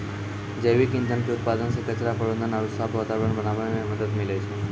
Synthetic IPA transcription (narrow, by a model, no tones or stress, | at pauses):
d͡ʒejʋikɪ̃nd̪ənkiut̪̚pad̪ənsikət͡ʃəɾapəɽbənd̪ənalusap̪ʰʋaːt̪aʋɾəɳbənaʋaneneməd̪əd̪milejt͡ʃʰe